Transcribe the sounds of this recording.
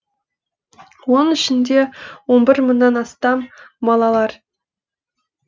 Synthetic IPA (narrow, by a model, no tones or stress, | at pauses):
wonɪ̆ʃɪ̆ndʲewonbʲɪɾmɤnːɑnɑst̪ɑmːɑlˠɑlˠɑr